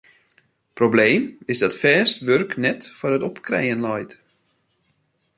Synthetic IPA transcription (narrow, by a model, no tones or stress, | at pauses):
probleːmɪsdɔtfɛːstʋørknɛtfɔrətɔpkrḛjənlɔjt